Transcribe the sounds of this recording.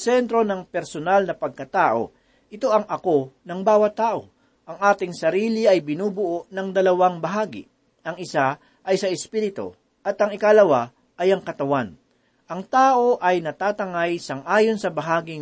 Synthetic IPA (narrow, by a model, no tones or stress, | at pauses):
sɛnt̪ɾo̞nɐŋpɛɾsonalnɐpɐɡ̚kɐt̪aːʔo̞̰ | ʔɪt̪o̞ʔɐŋʔɐko̞nɐŋbaːwɐt̪ːaːʔo̞ | ʔɐŋʔaːt̪ɪŋsɐɾiːlɪɐjbɪnuːbʊʔo̞ʔnɐŋd̪ɐlɐwaŋbɐɦaːɡɪ̰ | ʔɐŋɪsa | ʔɐjsɐʔɛspiɾɪt̪o̰ | ʔɐt̪ɐŋɪkalɐwa | ʔɐjɐŋkɐt̪ɐwan | ʔɐŋt̪aːʔo̞ʔɐjnɐt̪aːt̪ɐŋajsɐŋʔaːjonsɐbɐɦaːɡɪ